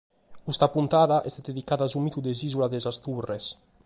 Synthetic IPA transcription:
ust̪apunt̪aðaʔɛst̪ed̪ed̪ikaðazumit̪ud̪ezizulad̪ezast̪ures

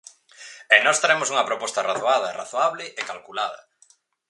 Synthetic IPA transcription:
ɛnɔst̪ɾaɛmosuŋɐpɾopɔst̪ɐraθoaðɐra̰θoaβlɪʔekalkulaðɐ̰

